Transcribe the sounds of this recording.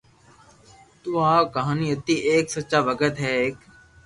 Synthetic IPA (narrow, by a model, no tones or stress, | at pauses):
t̪uːãːkəɦaːniːət̪ːiːʔeːksəːt͡ʃaːʋəkət̪ɦɛːeːk